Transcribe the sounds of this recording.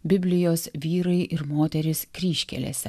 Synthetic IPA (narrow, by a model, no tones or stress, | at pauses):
bʲɪbʲlʲɪjoːsʋʲiːɾɐɪʔɪɾmoːt̪ʲɛɾʲɪskɾʲiːʃʲkʲɛ̰lʲḛːsʲɛ̰